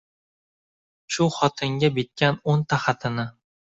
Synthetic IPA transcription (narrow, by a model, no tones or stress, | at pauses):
ʃʊχɒt̪ʰɪŋɡʲabet̪̚kʲanont̪ʰaχat̪ʰɪnɪ